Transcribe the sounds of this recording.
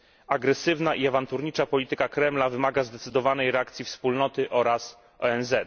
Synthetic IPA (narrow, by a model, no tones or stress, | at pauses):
aɡɾɛsɘvnaʔiavant̪uɾɲit͡ʂapɔlʲit̪ɘkakɾɛmlavɘmaɡazd̪ɛt̪sɘd̪ɔvanɛjɾɛakt̪sʲifspulnɔt̪ɘʔɔɾas | ɔɛnzɛt̪